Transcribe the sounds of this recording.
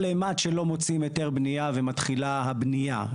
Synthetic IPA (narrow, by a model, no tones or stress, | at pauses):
lematʃelo̞mo̞t͡simeteʁbnijavemat̪χilaɦabnija̰